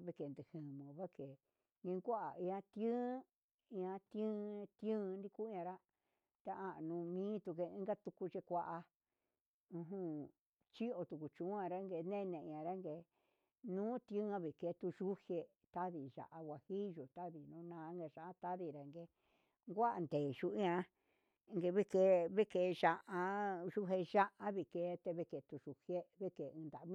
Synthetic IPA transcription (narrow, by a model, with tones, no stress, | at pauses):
βi˧ke˨nd̪ɨ˨hɨ̃˨mũ˨βa˦ke˨ | ŋɡe˧ŋɡʷa˦ʔa˨ĩ˧ã˧t̪jɨ̃˦ | ĩ˧ã˧t̪ɨ̃˦t̪jɨ̃˦˧nɾi˧ku˦ɲã˧ɾa˦ | t̪a˧ã˧˨nũ˧mĩː˦t̪u˧ke˧ĩ˦ɡa˦t̪u˧ku˧t͡ʃe˧kʷa˦ʔa˧ | ũ˧ɦũ˧ | t͡ʃi˦o˧t̪u˨ku˨t͡ʃũ˨˦ã˧ɾa˦ŋɡe˧˨nẽ˦˧nẽ˧˨˧ã˨˧ɾa˦ŋɡe˧ | nũː˦t̪i˧ũ˦ã˧βi˨ke˧˦t̪u˧ʒu˦hje˧ | t̪a˦ði˨ʒa̰˨ʔa˧wʷa˧˨hi˦ʒu˨t̪a˦ði˨nũ˧˦nãː˧˦ŋɡe˧ʒa˧˨ʔa˧t̪a˦ði˧ɾa˨˧ŋɡe˧ | ŋɡʷa˦ʔa˧nd̪eː˨ʒu˧i˦ã˧˦˧ | ŋɡe˧βe˦ke˧βe˦ke˧˨˧ʒa˧ʔa˧ʒu˦ɦe˧ʒa˦ʔa˦βi˨ke˧˦˧t̪e˧βe˧ke˨t̪u˧ʒu˧hje˦βe˦ke˨˧ɨ̃˧nd̪a˨˧mĩ˦˧